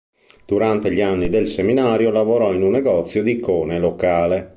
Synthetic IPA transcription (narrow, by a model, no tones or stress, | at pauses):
d̪̥uɾant̪eʎianːid̪elseminaːɾjolavoɾɔinunːɛɡɔt̪sːjod̪ikɔːnelokaːle